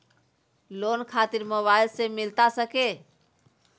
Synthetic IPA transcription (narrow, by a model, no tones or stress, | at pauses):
lonkʰat̪iɾməbailsemilt̪asəke